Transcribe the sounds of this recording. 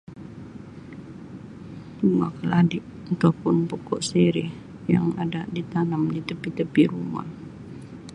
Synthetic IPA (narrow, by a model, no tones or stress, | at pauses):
suŋa̰kəladɪʔ | at̪apʊnpokɔʔseɾɪh | ja̰ŋa̰daʔdit̪anəmdit̪əpit̪əpiɾuma̰h